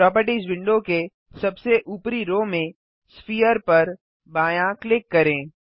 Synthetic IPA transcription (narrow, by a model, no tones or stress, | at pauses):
ɾɔːp̬əɾʈizʋɪ̃ɳɖoke | sɐbseʔuːpɾiɾoːmẽ | spiːjəɾpɐɾ | baːjãklɪkːɐɾẽː